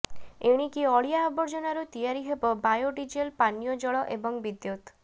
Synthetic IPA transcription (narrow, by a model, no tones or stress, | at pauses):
eɽ̃ikiɔɭijaːbɔɾd͡ʒɔnaɾut̪ijaɾiɦebɔbajoɖid͡ʒelpanjɔd͡ʒɔɭɔʔebɔŋbid̪jot̪